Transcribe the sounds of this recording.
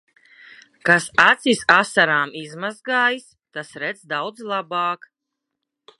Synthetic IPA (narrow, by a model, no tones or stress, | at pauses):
kasat̪sʲisasaɾaːmizmazɡaːjis | t̪asɾɛd̪zd̪awd̪zlˠabaːk